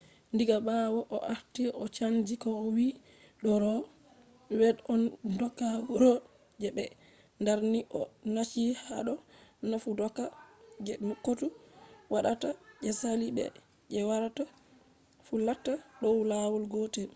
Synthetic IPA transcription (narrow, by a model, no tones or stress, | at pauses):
ndiɡabawɔʔɔ̰ʔaɾtiʔɔt͡ʃand͡ʒikɔːwi | ɗɔɾɔ | wɛɗɔndɔkːauɾɔ | d͡ʒɛbɛ | ndaɾniʔɔnat͡ʃihaɗɔnafudɔkːad͡ʒɛmukːotuwaɗatad͡ʒɛsalibɛ̰ | d͡ʒɛwaɾata | fulatːaɗɔwlawɔlɡotɛ